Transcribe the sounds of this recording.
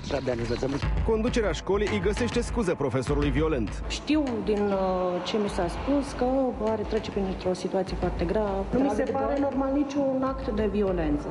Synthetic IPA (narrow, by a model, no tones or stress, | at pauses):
sad̪anivəsəmko̞nd̪ut͡ʃe̞ɾeaʃko̞lijʔəjɡəse̞ʃt̪e̞skuzəpɾo̞fe̞so̞ɾulujvio̞le̞nt̪ | ʃt̪iwd̪int͡ʃe̞misaspuskəaɾe̞t̪ɾe̞t͡ʃepɾint̪ɾo̞sit̪uat̪sije̞foart̪e̞ɡɾavəvnumisepaɾeno̞rmalnit͡ʃʲunakt̪d̪e̞vio̞le̞nt̪sə